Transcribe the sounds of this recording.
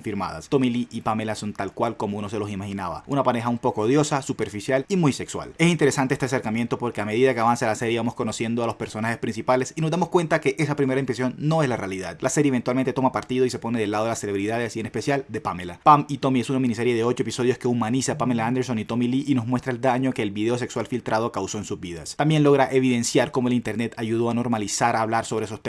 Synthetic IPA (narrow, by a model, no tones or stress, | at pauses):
fiɾma̰ða̰st̪omiliʔipamelasont̪alkwalkomouno̞s̬e̞lo̞simaxinaβa̰ṵnapaɾe̞xaumpo̞koðjo̞sasupe̞ɾfisjalimujse̞kswa̰le̞sint̪e̞ɾe̞sant̪eest̪eas̬eɾkamje̞nt̪o̞po̞ɾke̞ame̞ð̞iðakeaβanselase̞ɾjeβamo̞sko̞nosje̞nd̪oalo̞spe̞ɾsonaxe̞spɾinsipale̞sinozd̪amo̞skwe̞nt̪ake̞ʔe̞sapɾime̞ɾaĩmpɾes̬jo̞nːo̞e̞zlarealiðaðlʔase̞ɾjeβe̞nt̪walment̪et̪o̞mapaɾt̪iðo̞isepo̞ne̞ð̞e̞laðelase̞le̞βɾiðaðelsienespe̞sjald̪e̞pamelapamit̪o̞mie̞sunamĩnise̞ɾje̞ðeo̞t͡ʃoepiso̞ð̞joske̞umanisapamelaand̪e̞ɾsonit̪o̞miliʔino̞zmwe̞st̪ɾaeld̪aɲo̞keːlβiðe̞o̞s̬e̞kswalfilt̪ɾʔað̞o̞kawso̞ensuzβiða̰st̪ambje̞nlo̞ɣ̞ɾaʔe̞β̞iðe̞nsjaɾko̞mo̞elint̪e̞ɾne̞t̪aʝuð̞o̞ano̞ɾmalisaɾaːβlaɾsoβɾeesost̪